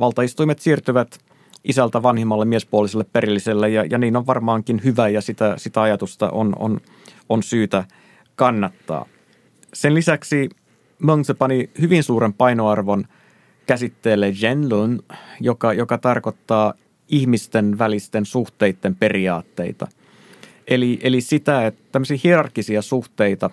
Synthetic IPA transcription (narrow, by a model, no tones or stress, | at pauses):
ʋɑlt̪ɑist̪uimet̪siːrt̪yʋæt̪ | ʔisælt̪æʋɑnhimːɑlːemiespuoliselːeppeɾilːiselːejɑjɑniːnoʋʋɑrmɑːŋkinhyʋæjɑsit̪æsit̪æɑjɑt̪ust̪ɑ̰ʔo̰no̰n | onsyːt̪æ | kɑnːɑt̪ːɑ̰ː | senlisæksi | moŋsepɑnihyʋinsuːɾempɑinoɑrʋon | kæsit̪ːeːlːeʒenlunjokɑjokɑt̪ɑrko̞t̪ːɑː | ihmist̪enʋælist̪ensuht̪e̞it̪ːempe̞riɑːt̪ːe̞̰it̪ɑ̰ | ʔeliʔelisit̪æett̪æmːøsiːhierɑrkːisiɑsuht̪e̞it̪ɑ